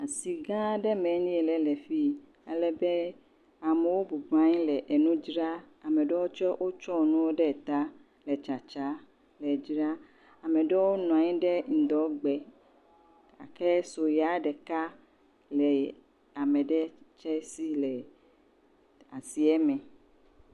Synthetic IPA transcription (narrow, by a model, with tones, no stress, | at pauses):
a˨si˨ɡã˦ɖɛ˦mɛ̃˨˦nĩ˦ɛ˨lɛ˨lɛ˨fi˦ | e˨lɛ˨be˦ | a˨me˨wo˦bu˨bã˦ɲĩ˦lɛ˨ʔe˨nũ˦d͡ʒɾa˦ | a˨mɛ̃˨ɖɛ˦wo˦t͡ʃɔ˦wʔo˦t͡ʃɔ˦nũ˦wo˦ɖɛ˦˨t̪a˦ | lɛ˨t͡ʃa˨t͡ʃa˦ | lɛ˨d͡ʒɾa˦ | a˨mẽ˨ɖɛ˦wo˦nɔ̃˨ã˨ɲĩ˦ɖɛ˦ŋ̩˨d̪ɔ˨˦ɡ͡bɛ˨ | a̰˨kɛ˦so˨ja˦ɖɛ˨ka˦ | lɛ˨ | a˨mɛ̃˨ɖɛ˦t͡ʃɛ˦si˦lɛ˨ | a˨si˨ɛ˦mɛ̃˨